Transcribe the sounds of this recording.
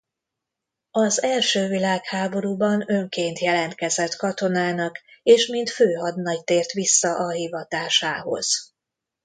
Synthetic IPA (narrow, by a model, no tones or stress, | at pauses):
ɒzɛlʃøːvilaːkhaːbo̞ɾuːbɒnø̞ŋkeːnt̪jɛlɛnt̪kɛzɛt̪kɒt̪o̞naːnɒkeːʃmint̪føːɦɒd̪nɒjt̪eːrt̪ʋisːɒʔɒɦivɒt̪aːʃaːɦo̞̰z̥